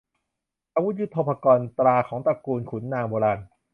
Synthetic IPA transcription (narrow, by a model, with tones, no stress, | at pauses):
ʔa˧wu˦t̪̚ju˦˥t̪ʰoː˧pʰa˧kɔː˧nt̪ɾaː˧kʰɔː˩˦ŋpa˧kuː˧nkʰu˩˦nːaː˧ŋboː˧ɾaː˧n